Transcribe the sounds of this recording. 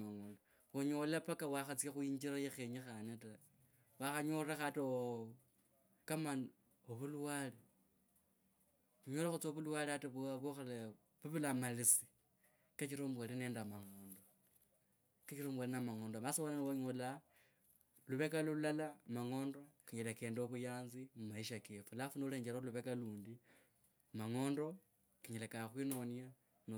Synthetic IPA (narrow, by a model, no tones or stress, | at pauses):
aŋonda | woɲolapakawaxat͡skaxuiɲd͡ʒiɾajexeɲixaneta | waxaɲorexato | kaman | oβuluwali | uɲolaxut͡soβuluwaliataβaβoxele | βuβulamalisi̥ | kat͡ʃiɾombwalineːndamaŋo̞ːndo | kat͡ʃiɾombwalinamaŋoːndomasiwalanwoɲola | luβekalululalamaŋo̞ːndokiɲelekeːndoβujaːnzimumaiʃakefulafunouleːɲd͡ʒeɾoluβekaluːndi | maŋoːndo̞ | kiɲelekaxwinonja | no